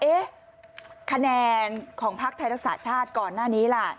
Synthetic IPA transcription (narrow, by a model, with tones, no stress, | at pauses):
ʔeː˦˥ | kʰa˧nɛː˧nkʰɔː˩˦ŋpʰa˦˥k̚t̪ʰa˧ɾa˦˥ksa̰ː˩t͡ɕʰaː˥˩t̪̚kɔː˨˩nːaː˥˩niː˦˥la˧˩